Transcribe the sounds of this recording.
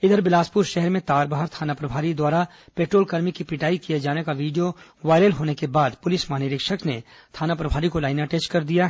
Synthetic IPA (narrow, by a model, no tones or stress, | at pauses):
ɪd̪əɾbɪlaːspʊɾʃɛɦɛɾmẽt̪aːɾbaɦəɾt̪ʰaːnapɾɐbʱaːɾid̪waːɾa | peːʈɾoːlkɐɾmikipɪʈaːikijed͡ʒaːnekaʋiːɖijoʋaːɪɾəlɦoːnekebaːd̪pʊlɪsmaɦːnɪɾɪkʃəkne | t̪ʰaːnapɾɐbʱaːɾikolaːɪnaʈeːsʈkɐɾd̪ija